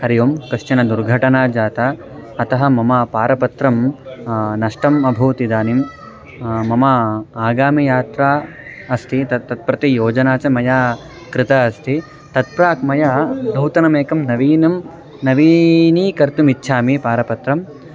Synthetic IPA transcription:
hɐɾijoːmkɐʂt͡ʃɐnɐd̪uɾɡʱɐʈɐnaːd͡ʒaːt̪ɐ | ɐt̪ɐɦɐ̆mɐmɐpaːɾɐpɐt̪ɾɐm | nɐʂʈɐmɐbʱuːt̪id̪aːnim | mɐmɐaːɡaːmijaːt̪ɾaː | ɐst̪ʰit̪ɐt̪ːɐt̪̚pɾɐt̪ijoːd͡ʒɐnaːt͡ʃɐmɐjaː | kɾɪt̪aɐst̪ʰi | t̪ɐt̪̚pɾaːkmɐjaːnɐwt̪ɐnɐmeːkɐmnɐʋiːnɐm | nɐʋiːniːkɐɾt̪umitːʃʰaːmipaːɾɐpɐt̪ɾɐm

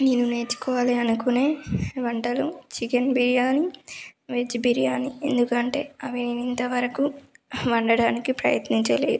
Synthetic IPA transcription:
neːnːune̞ːt͡ʃu̥kɔːʋaːliɐnukune̞ːʋɐɳʈɐlut͡ʃikɐnbiɾijaːniʋed͡ʒbiɾijaːniḛnd̪ukɐɳʈe̞ːɐʋininint̪ɐʋɐɾɐkuʋɐɳɖɐɽaːnikipɾɐ̰jɐt̪niɲt͡ʃɐleːd̪u

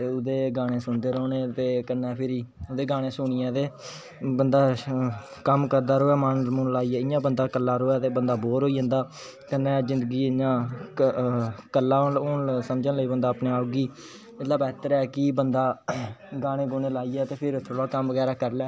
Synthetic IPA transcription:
ʊd̪eːɡaːɽ̃ẽːsʊnd̪eːɾoːneːt̪eːkənːɛ̃ːpʰɪɾiːʊd̪eːɡaːɽeːsʊɳiɛːt̪eː | bənd̪aː | kəmkəɾd̪aːɾoːɛːmaːnmʊnlaːiːɛːɪjãːbənd̪aːkəlːaːɾoːɛːt̪eːbənd̪aːboːɾɦoːiːə̃nd̪aː | kənːɛ̃ːzɪ̃nd̪ɡiːd͡ʒãː | kəlːaːoonsəmd͡ʒənləiːbənd̪aːəpneːaːoɡiː | ɪlaːbɛːt̪əɾɛːkɪbənd̪aːɡaːɽ̃ẽːɡoːneːlaːiːɛːt̪eːpʰɪɾt̪ʰoːɽaːkəmʋəɡɛːɾaːkəɾlɛː

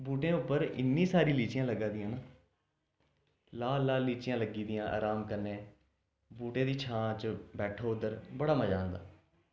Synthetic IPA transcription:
buːʈẽːʊpːəɾɪ̰nːĩːsaːɾiːliːt͡ʃɪjãːləɡãːd̪ijãːnaː | laːlaːliːt͡ʃɪjãːləɡiːd̪ɪjãːʔa̰ːɾaːmkəɾnẽː | buːʈẽːd̪iːt͡ʃʰãːt͡ʃbɛːʈʰoːʊd̪əɾbəɽaːməd͡ʒaːnd̪a̰ː

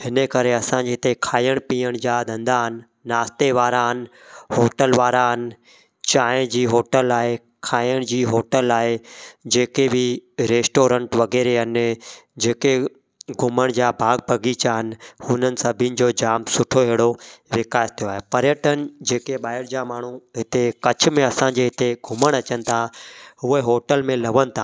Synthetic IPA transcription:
ɦɪnəkɐɾeɐsãd͡ʑet̪ekʰaːiəɽ̃piːəɽ̃d͡ʑaːd̪ʱɐ̃nd̪aɦɪnɪ̆ː | aːst̪eʋaːɾaɦnɪ̆ | ɦoːʈəlʋaːɾaɦɪnɪ̆ | t͡ɕaːɪ̃d͡ʑiːɦoːʈəlaːe | kʰaːijəɽ̃d͡ʑiːɦoːʈəlaːɦed͡ʑeːkebɪɾeːsʈoːɾə̃ɳʈʋɐɣɛːɾeɦɐnɪ̆d͡ʑeːke | ɡʱʊməɽ̃d͡ʑaːbʱaːɡ̚bʱɐɡit͡ɕaɦɪnɪ̆hʊnənɪ̆sɐbʱiənɪ̆d͡ʑoːd͡ʑaːmsʊʈʰoɦeːɽoʋɪkaːst̪ʰijoaːɦepɐɾjəʈənɪ̆d͡ʑeːkeɓaːɦɪɾd͡ʑamaːɳ̤uɦɪt̪ekɐt͡ɕʰʊ̆mẽɐsãɲd͡ʑeɦɪt̪eɡʱʊməɽ̃ɐt͡ɕənɪ̆t̪ʰaɦʊeɦoːʈəlmẽlɐʋənɪt̪ʰaː

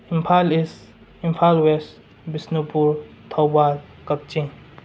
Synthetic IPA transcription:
impʰalis | impʰalwes | bisnupuɾ | t̪ʰɔwbal | kɐp̚t͡ʃĩŋ

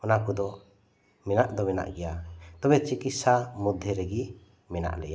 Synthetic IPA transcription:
ɔnakud̪ɔ | mɛnaʔd̪ɔmɛna̰ʔɡɛjat̪ɔbɛt͡ʃikisamud̪ʱːjɛɾɛɡi | mɛna̰ʔlɛja

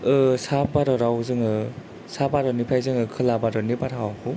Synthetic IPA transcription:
ɯsabaɾɔɾawzɯŋɯ | sabaɾɔnipʰajzɯŋɯkʰɯlabaɾɔnibaɾawakʰu

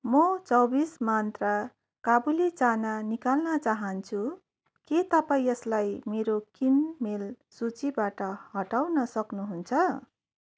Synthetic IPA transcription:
mʌt͡sʌbismant̪ra | kabulit͡sananikalnʌt͡saɦʌnt͡sʰu | ket̪ʌpaĩʌslajmeɾokinmel | sut͡sibaʈʌhʌʈawnʌsʌknuɦunt͡sʰʌ

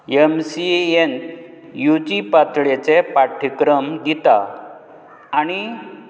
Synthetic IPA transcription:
emsien | jud͡ʑipat̪ɭet͡sepaʈʰikɾəmd̪it̪a̰ | ɽ̃i

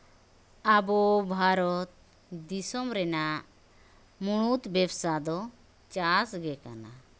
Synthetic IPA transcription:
abɔbʱaɾɔt̪̚ | d̪isɔmɾɛna | muɽ̃ut̪bɛbsad̪ɔ | t͡ʃasɡɛka̰na̰

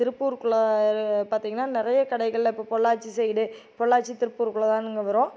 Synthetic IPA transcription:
t̪ɪɾɯpːuːɾkɯɭɐpaːɾt̪iːŋɡɐnːaːnɪɾɐjɐkɐɽɐɪɣɐɭɪlːɪpːoːpɔɭːaːʈt͡ʃːisɛjːɽɯ | pɔɭːaːʈt͡ʃːit̪ɪɾɯpːuːɾkɯɭɐt̪ãːnɪŋɡɐʋɐɾõː

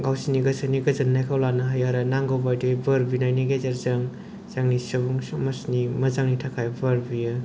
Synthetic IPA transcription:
ɡawsiniɡɐsaniɡɐzɯnːajkʰawlanaɦajaɾanaŋɡawbajdɯbɐɾbinajniɡezaɾzaŋ | z̥aŋnisɐbuŋsmɐsnimɐzaŋnitʰakʰajbaɾbijɯ

